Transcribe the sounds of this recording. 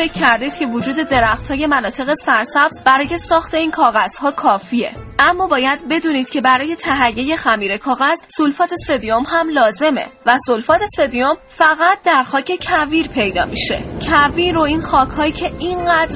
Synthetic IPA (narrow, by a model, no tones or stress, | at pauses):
fe̞cʰːæɾd̪iːd̪̥̚cʰe̞vod͡ʒuːd̪e̞d̪e̞ɾæxt̪hɒːje̞mænɒːt̪ʰe̞ɣe̞sæɾsæbz̥bæɾɒːje̞sɒːxt̪ʰe̞iːnkʰɒːɣæz̥hɒːkʰɒːfie̞̰ | æmːɒːbɒːjæd̪be̞d̪uːniːd̪̥cʰe̞bæɾɒːje̞t̪ʰæɦæjːe̞je̞xæmiːɾe̞kʰɒːɣæzsolfɒːt̪ʰe̞sed̪io̞mhæmlɒːze̞me̞̰væsolfɒːt̪ʰe̞sed̪ijom | fæɣæt̪̚d̪æɾxɒːcʰe̞cʰæviːɾpʰe̞jd̪ɒ̰ːmiʃe̞̰cʰæviːɾo̞iːnxɒːkʰhɒːicʰe̞inɢæːd̪ɾ